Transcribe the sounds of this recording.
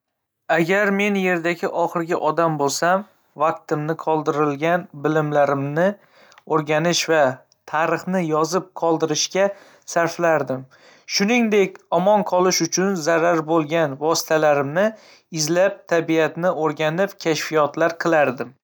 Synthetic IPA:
aɡʲaɾme̞nje̞ɾd̪aɡʲɪʔɒχɨɾɡʲɪʔɒd̪ambolˠsam | vaq̚t̪ɪmnɪqʰɒlˠd̪ɪɾɪlɡʲanbɪlɪmlaɾɪmnɪ | oɾɡʲanɪʃva | t̪ʰaɾɨχnɪjɒzɪp̚qʰɒlˠd̪ɪɾɪʃkʲa | saɾflaɾd̪ɪm | ʃʊnɪŋd̪e̞kʲɒmɒnqʰɒlˠɪʃʊt͡ʃʰʊnzaɾaɾbolˠɡʲanvɒsɪ̥t̪ʰalaɾɪmnɪ | ɪzlap̚t̪ʰabiat̪nɪoɾɡʲanɪpkʲʰaʃfijɒt̪laɾqʰɨlˠaɾd̪ɪm

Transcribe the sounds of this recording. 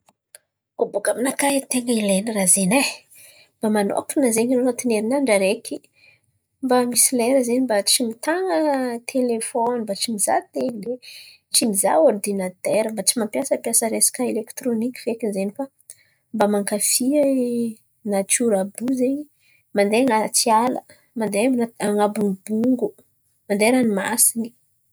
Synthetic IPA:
obukaminakait̪eŋɡəileniɾazena | mb̥amano̰kinəzeɲɾonat̪ineɾinaɳɖ͡ʐaɾekʲʰi | mbamisileɾəzenimbat͡ʃimit̪aŋət̪ʰelefonmbat͡ʃimiza̰t̪ele | t͡ʃimiza̰ord̪inat̪ɛɾəmbat͡simampjasəpjasəɾesḁkaelekt̪ɾonikʲi̥fekizenifa | mbamaŋkafi | nat͡ʃuɾabuzeɲi | mand̪eaŋat͡sialə̰ | mand̪eanaŋabuŋubuŋɡu | mand̪eɾanimasini̥

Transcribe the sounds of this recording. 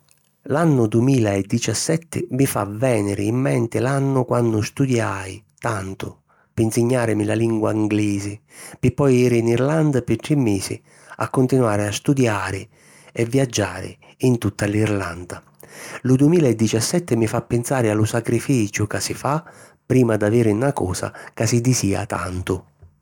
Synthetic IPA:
lanːʊd̪uɪmiːlaɛd̪ːit͡ʃasːɛt̪ʰːɪmɪfa̰vɛːnɪɾɪːmːɛnt̪ɪlanːʊkwanːʊst̪ud̪jajt̪ant̪ʊ | pinsɪɲːaːɾɪmɪlaliŋɡwaiŋɡlɛːzɪ | pɪpːɔjɛːɾɪːniɾland̪apɪt̪ɾɪmːeːsɪ̰ | a̰kːʊnt̪inwaːɾɪast̪ud̪jaːɾɪ | ɛvːijad͡ʒːaːɾɪ̰ | int̪ut̪ːalirland̪a | lʊd̪uɪmiːlaɛd̪ːit͡ʃasːɛt̪ːɪmɪfapːɪnsaːɾɪalʊsakɾifiːt͡ʃʊkasɪfa | pːɾiːmad̪aveːɾɪunakɔ̰ːsa̰kasid̪isiːa̰t̪a̰nt̪ʊ

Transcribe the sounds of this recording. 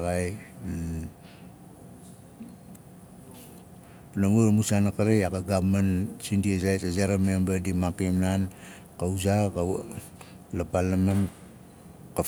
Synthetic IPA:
ɡaj | naŋuɾmusanakaɾejakaɡamansindiezajtazaɾamembadimakimnan | kauzaka | lapalaman | ka

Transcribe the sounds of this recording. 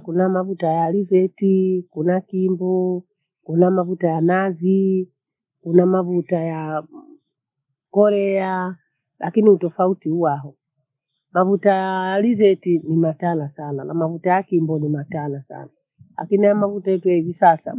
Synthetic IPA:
kunamavutajalizɛtikunakimbɔ | kunamavutajanazi | kunamavutaja | kɔɾɛa | lʔakiniutɔfautiuwaɦɔ | mavutaalizɛtinimatalasananamavutajakimbɔnimatanasa̰na | la̰kiniajamavutajɛtujahivisasa̰

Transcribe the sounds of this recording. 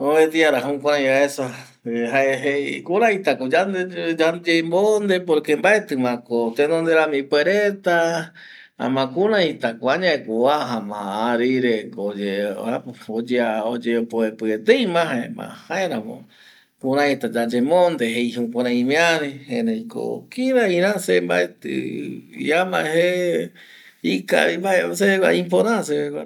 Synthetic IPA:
oet̪iaɾaɦõkʷaɾãj̃aesa | ɦaeɦekuɾãĩt̪akod͡ʒand̪ed͡ʒad͡ʒembond̪epoɾkembaet̪ɨmãkot̪enõnd̪eɾamĩpweɾet̪a | a̰mãkũɾãit̪akoaɲãekoaɦãmã̰aɾiɾekod͡ʒeaod͡ʒeaod͡ʒeopoepɨet̪ejmãɦãẽmã̰haẽɾamõ̰ | kuɾãit̪ad͡ʒad͡ʒemõnd̪eɦejhũkʷaɾãĩmẽaɾehẽɾejko̰kiɾaĩɾãsembaet̪ɨ̰ḭamãehe | ika̰ɾibaeseka̰ĩmpoɾãsekʷa

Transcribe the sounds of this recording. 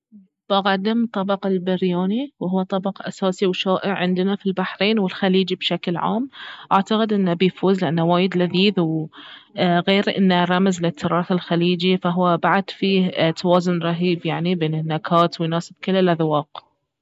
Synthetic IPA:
b̥aɣad̪ɪmt̪ˤɑbɑqɪlbɪɾjaːniwhʊwːat̪ˤɑbɑqʔasaːsiwʃaːʔɪʕʕɪnd̪ɪnafilbaħɾeːnwɪlxaliːd͡ʒibʃaklʕa̰ːmʔaʕt̪aqɪd̪ʔɪnːabijfuːzlɪʔanːawaːjɪd̪laðiːðw | ɣeːɾʔɪnːaɾˤɑmzlɪt̪ʰːɪɾˤɑːθɪlxaliːd͡ʒifaɦʊwːabaʕad̪fiːt̪ʰawɑːzʊnɾˤɑɦiːbjaʕnibeːnɪnːakʰaːt̪wjnɑːsɪb̥̚kɪlːɪlʔaðwɑːq

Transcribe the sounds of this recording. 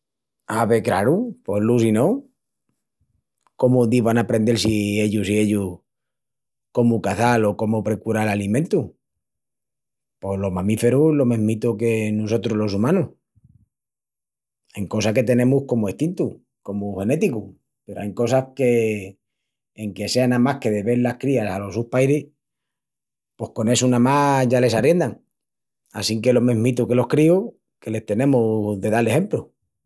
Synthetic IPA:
aβekɾaɾupo̞lusino | ko̞muðiβanapɾe̞nd̪e̞lsie̞ʎusie̞ʎu | ko̞mukaθalo̞ko̞mopɾe̞kuɾalalimẽnt̪u | po̞lo̞mamife̞ɾulo̞mẽmit̪oke̞nuso̞t̪ɾolo̞s̬umãnuh | eŋko̞s̬ake̞t̪e̞nẽ̞muhko̞moeht̪int̪u | ko̞muhe̞ne̞t̪iku | peɾoajŋko̞sahke̞ | ŋke̞se̞anamahke̞ðe̞βe̞ɾlahkɾiasalo̞suhpajɾi | po̞hko̞ne̞sunãmaʝale̞sarje̞nd̪aŋ | a̰siŋke̞lomẽ̞ɦmit̪uke̞lo̞hkɾio | ke̞le̞ht̪e̞nẽ̞muðe̞ðalehe̞mplu

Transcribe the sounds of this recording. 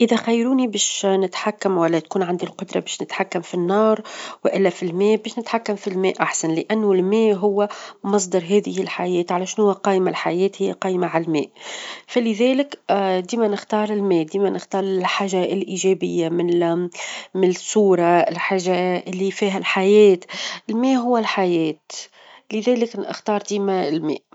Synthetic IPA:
ʔɪðæxajːɾuːnibɛːʃnɪt̪ħakːamwælːæt̪kuːnʕand̪ilqʊd̪ɾˤɑbɛːʃnɪt̪ħakːamfinːɑːɾˤwɪʔɪlːæfilmɛːʔbɛːʃnɪt̪ħakːamfilmɛːʔʔaħsanlɪʔænːʊlmɛːʔɦʊwːæmɑs̬ˤd̪ɑɾˤɦɛːðɪhɪlħajɛːt̪ʕalæʃnhʊwːæqɑːʔmalħajɛːt̪hɪjːaqɑːjmaʕallmɛ̰ːʔfælɪðɛːlɪkd̪iːmænɪxt̪ɑːɾˤɪlmɛːʔd̪iːmænɪxt̪ɑːɾˤɪlħaːʒalʔiːʒɛbɪjːamɪn | mɪnɪsuːɾˤɑɪlħaːʒːaʔɪlːifiːɦælħajɛːt̪ɪlmɛːʔɦʊwːælħajɛːt̪ | lɪðɛːlɪknɪ̰xt̪ɑːɾˤd̪iːmæɪlmɛ̰ːʔ

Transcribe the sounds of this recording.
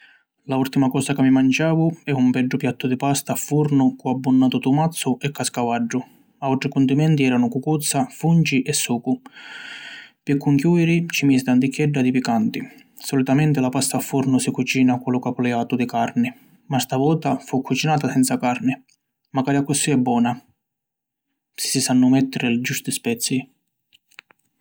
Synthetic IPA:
lault̪imakɔːsakamːimand͡ʒaːvʊɛumpɛɖːʊpjat̪ːʊd̪ɪpast̪aːfːuɾnʊkuabːunːaːt̪ʊt̪umat̪sːʊʔɛkːaskavaɖːʊ | aɔʈ̪ɾɪkunt̪imɛnt̪iɛːɾanʊkukut̪sːafunt͡ʃiʔɛsːuːkʊ | pikːuŋkjuːiɾit͡ʃimisɪd̪and̪ikʰːjɛɖːad̪ipikant̪i | sɔlit̪amɛnt̪ɪlapast̪aafːuɾnʊsikut͡ʃiːnakulʊkapʊlɛaːt̪ʊd̪ɪkaɾnɪ | mast̪avɔːt̪afukːut͡ʃinaːt̪asɛnt̪sakaɾnɪ | makaɾakːusːiɛbːɔːna | sɪ̥sisanːʊmɛt̪ːɪɾɪld͡ʒust̪ispɛt̪sːi

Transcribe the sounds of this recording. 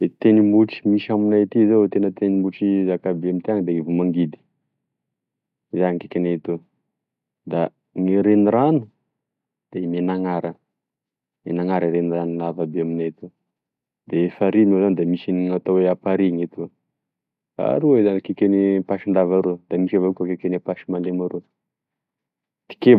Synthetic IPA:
et̪enimuʈ͡ʂi̥miʃaminajt̪izewet̪enət̪enimuʈ͡ʂizakabeamint̪iaŋd̪eivumaŋɡid̪i̥ | izanikekʲanet̪u | d̪a | ŋiɾeniɾanu̥ | d̪̥emenaŋaɾə | menaŋaɾiɾeniranunavabeaminet̪u | d̪eefaɾimezanid̪emisiniŋat̪oweapaɾiŋet̪uə | a̰ɾuezanikekʲenipaʃind̪avaɾod̪̥amisavakʲakekʲenapaʃimanemaɾo | t̪i̥ke

